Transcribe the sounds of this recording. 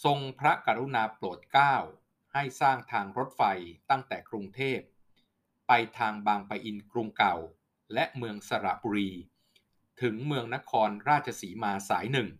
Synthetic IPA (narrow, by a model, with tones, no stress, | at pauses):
so˧ŋpʰɾa˦˥ka˧ɾu˦˥naː˧ploː˨˩t̪̚kaː˥˩w | ha˥˩jsaː˥˩ŋt̪ʰaː˧ŋɾo˦˥t̪̚fa˧jt̪a˥˩ŋt̪ɛː˨˩kɾu˧ŋt̪ʰeː˥˩p̚ː | a˧jt̪ʰaː˧ŋbaː˧ŋpaː˧jʔi˧nkɾu˧ŋka˨˩w | lɛ˦˥ʔmɯ˧əŋsa˧ɾa̰˨˩buː˧ɾiː˧ | t̪ʰɯ˩˦ŋmɯ˧əŋna˦˥kʰɔː˧nɾaː˥˩t͡ɕʰa˧siː˩˦maː˧saː˩˦jnɯ˨˩ŋ